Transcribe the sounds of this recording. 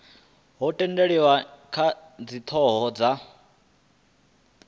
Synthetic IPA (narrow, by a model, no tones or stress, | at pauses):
ɦɔtʼɛndeɺiwakʰad͡zit̪ʰɔɦɔd͡za